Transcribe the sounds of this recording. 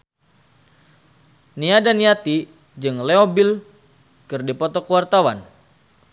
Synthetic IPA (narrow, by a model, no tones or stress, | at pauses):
niadaniat̪i | d͡ʒɨŋleobil | kɨrdipɔt̪ɔkəwart̪awan